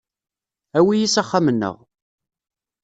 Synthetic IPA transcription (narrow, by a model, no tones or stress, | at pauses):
æwijisæχːamənːə̰ʁ